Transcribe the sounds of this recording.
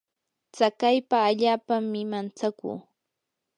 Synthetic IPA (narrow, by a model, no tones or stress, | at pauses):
t͡sakajpaːʎaːpaŋmɪmant͡sakṵː